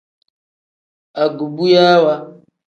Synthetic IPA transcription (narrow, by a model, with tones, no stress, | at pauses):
a˨ɡu˨bu˦ja˦wa˦